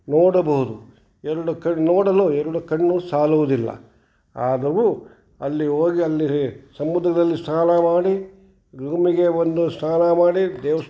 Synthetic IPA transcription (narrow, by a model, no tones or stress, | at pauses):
noːɽɐbɐɦud̪u | ɛɾɐɽukɐɳnoːɽɐloːɛɾɐɽukɐɳːuːsaːluʋud̪ilːɐ̰ | aːd̪ɐʋu | ɐlːiɦoːɡiɐlːisɐmːud̪ɾɐd̪ɐlːist̪ʰaːnɐmaːɽi | ɡɾuːmiɡe̞ond̪ust̪ʰaːnɐmaːɽid̪ɛːʋɐs